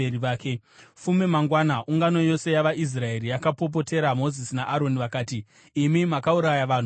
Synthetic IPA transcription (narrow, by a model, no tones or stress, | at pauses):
eiaːke̞ | fumemaŋɡwanaʔuŋɡano̞jo̞se̞jaʋaʔis̬rae̞ɾijakapo̞p̬o̞te̞ɾamo̞zisinaʔaɾo̞niʋakaːtiː | mimakauɾajaʋaːn̤u